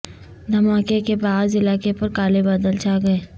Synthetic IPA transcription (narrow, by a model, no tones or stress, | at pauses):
d̪ʱɐmaːkekebaːd̪ɪlaːkepɐɾkaːlebɐd̪əlt͡ʃaːɡɐeː